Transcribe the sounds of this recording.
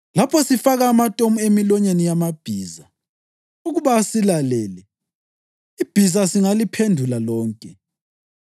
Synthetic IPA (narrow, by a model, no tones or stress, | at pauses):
lapʰɔsifaɣaːmatʼomuemilɔɲenijamab̥ʱiːza | uɣuβaːsilalɛːlɛ | ib̥ʱizasiŋalipʰendʱulalɔːŋkʼɛ